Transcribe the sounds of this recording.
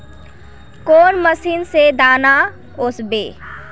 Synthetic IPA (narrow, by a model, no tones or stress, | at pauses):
koːnməsiːnsed̪aːna | ʊsbḛː